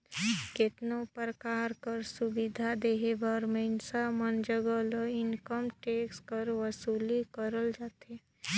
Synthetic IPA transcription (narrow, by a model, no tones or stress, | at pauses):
kɪt̪nopɾəkaːɾkəɾsʊbɪd̪ʱad̪eɦebʱəɾməɪnsamənd͡ʒəɡələɪnkəmʈeːkskəɾʋəsuːlikəɾəld͡ʒaːt̪e